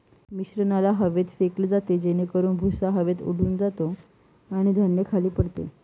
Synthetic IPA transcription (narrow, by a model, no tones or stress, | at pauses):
miɕɾənalaɦəʋet̪fekled͡zat̪ed͡ʑenekəɾuːnbʱusaɦəʋet̪ṵɽ̤uːnd͡zat̪o | aɽ̃id̪ʱənjəkʰaliːpəɽt̪ḛ